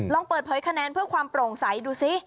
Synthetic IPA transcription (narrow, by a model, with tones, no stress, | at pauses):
lɔ˧ŋpɤː˨˩t̪̚pʰɤː˩˦jkʰa˧nɛː˧npʰɯ˥˩ɐkʰwaː˧mpɾoː˨˩ŋsa˩˦jduː˧si˦˥